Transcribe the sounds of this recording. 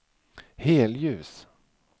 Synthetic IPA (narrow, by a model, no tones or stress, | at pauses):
heːljʉ̟ːs